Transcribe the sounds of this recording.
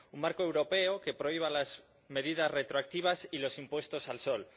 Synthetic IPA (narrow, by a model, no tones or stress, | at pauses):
uŋmaɾkoe̞wɾo̞pe̞oke̞pɾoiβ̞alaz | me̞ðiðasret̪ɾoak̚t̪iβ̞asilo̞simpwe̞st̪o̞salsol